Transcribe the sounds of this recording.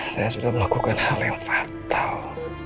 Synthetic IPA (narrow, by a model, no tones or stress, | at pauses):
sajasudaməlakukanhaljaŋfat̪awu